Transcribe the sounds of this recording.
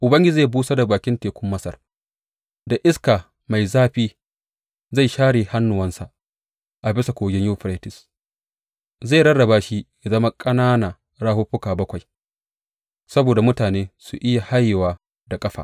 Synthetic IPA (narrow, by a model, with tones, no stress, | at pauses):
ʔʊ˨bɐ˦ŋɡʲɪ˦d͡ʒiː˦˨buː˦sa˦da˨baː˨kʲɪ˦nteː˨kʷʊ˦mːɐ˦sɐ̰˨r | da˨ʔɪ˦skaː˨ | ma˨jzaː˦ɸiː˦ | za˦˨jʃaː˦ɽeː˨ha˦nːʊ˨wɐ˦nsa˨ʔ | ʔa˨bɪ˦sa˨kʷoː˨ɡʲɪ˦ɲjuː˦ɸɾe˦tɪ˨s | za˦˨ɽɐ˦ɽɐ˨baː˨˦ʃi˦ja˨zɐ˦ma˦kʼɐ˦naː˦naː˨ | ɾaː˦hʊ˦ɸʊ˦kaː˨bɐ˦kʷa˨j | sɐ˦boː˨da˨mʊ˦taː˨neː˦su˨ʔɪ˦ja˨ha˦jːɪ˨waː˦ | da˨kʼɐ˦ɸa̰˨